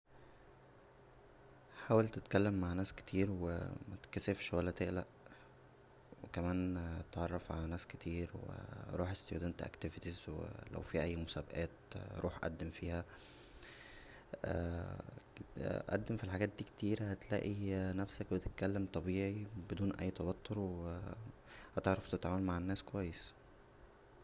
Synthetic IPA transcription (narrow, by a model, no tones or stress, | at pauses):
ħaːwælt̪et̪kælːemːaʕnæːske̥t̪ʰiːɾwḛmæt̪kæsefʃwælːæt̪eʔlæ̰ʔ | wekæmæːntt̪ʕɑrˤːɑfʕa̰lænæːsket̪ʰiːɾwḛɾˤuːħest̪ejṵd̪ænt̪ʔæ̰kt̪evet̪izwḛlæ̰wfiːhʔæjːmosæbæʔæːt̪ɾʔuːħʔæ̰d̪ːemfiːhæ | ʔæ̰d̪ːemfilħaɡæːt̪̚d̪iːkt̪iːɾæhæt̪læ̰ːʔinæfsæk̚bet̪et̪̚kælːemt̪ˤɑbiːʕibed̪uːnʔæ̰jːt̪ˤɑwɑt̪ʰːoɾwe | hæt̪ɑɾˤɑft̪et̪ʕaːmolmaʕenːæːskowæjːes